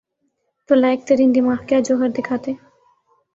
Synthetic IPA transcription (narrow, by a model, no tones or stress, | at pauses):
t̪olaek̚t̪əɾind̪imaːhkead͡ʒoɦəɾd̪ekʰat̪e